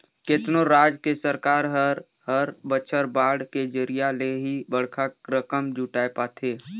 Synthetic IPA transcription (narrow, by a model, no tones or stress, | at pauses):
ket̪noɾaːd͡ʒkesəɾkaːɾɦəɾ | ɦəɾbət͡ʃʰəɾbaːɽked͡ʒəɾijaleɦibəɽ̤kʰakɾəkəmd͡ʒuʈaːepaːt̪ʰeː